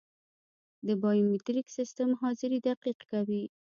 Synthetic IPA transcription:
d̪əbɑjumit̪ɾiksist̪əmɦɑzɪɾid̪aqiqkawi

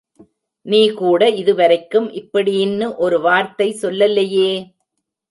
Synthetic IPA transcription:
niːkuːɽɐɪðɯʋɐɾɐɪkːɯmʔɪpːɐɽijɪnːɯʔɔɾɯʋaːɾt̪ɐɪsɔlːɐlːɐjeː

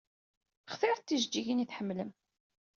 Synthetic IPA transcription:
χθɪɾˤθθːiʒd͡ʒːiʝiniθħəmːləm

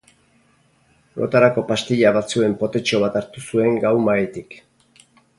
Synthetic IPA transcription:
lo̞̰t̪aɾako̞past̪iʎaβat͡sue̞mpo̞t̪e̞t͡ʃo̞β̞at̪aɾt̪usue̞ŋɡawmajet̪ik

